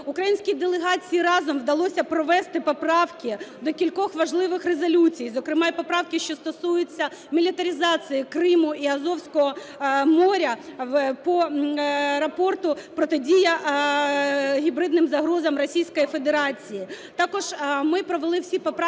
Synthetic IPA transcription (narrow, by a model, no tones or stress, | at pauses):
ʊkɾɐjinʲsʲkʲid̪elˠeɦɑt͡sʲijiɾɑzɔmwd̪ɐlˠɔsʲɐpɾɔʋɛst̪ɪpɔpɾɑwkʲɪd̪ɔkʲilʲkɔxʋɐʒlˠɪʋɪxrezɐlʲut͡sʲijzɔkɾɪmɑipɔpɾɑwkʲɪʃt͡ʃɔst̪ɔsujʊt͡sʲːɐ | mʲilʲit̪ɐɾʲizɑt͡s̪ʲɨjikrɪmʊʔiɐzɔwsʲkɔɦɔ | mɔɾʲɐpɔ | ɾɐpɔrt̪ʊpɾɔt̪ɛdʲijɐ | ɦʲibɾɪd̪nɪmzɐɦɾɔzɐmrɔsʲijsʲkɔjifed̪eɾɑt͡sʲijit̪ɑkɔʒ̥mɪpɾɔʋelˠɪwsʲipɔp